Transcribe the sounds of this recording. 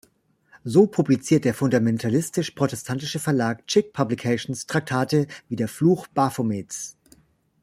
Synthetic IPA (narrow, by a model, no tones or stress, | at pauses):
zoːpʰublit͡siːɐt̚d̥eːɐfʊndamɛntʰalɪstɪʃpʁ̥otɛstʰantɪʃəfɛɐlaːk̚t͡ʃɪk̚pʰablikʰɛʃnstʁ̥ak̚tʰaːtəviːdeːɐfluːxb̥afomeːt͡s